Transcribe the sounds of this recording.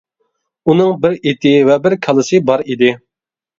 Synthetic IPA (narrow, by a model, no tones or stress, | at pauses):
unɨŋbɪɾet̪ʰɪvɛbɪɾkʰɑlˠɨsɨbɑɾid̪ɪ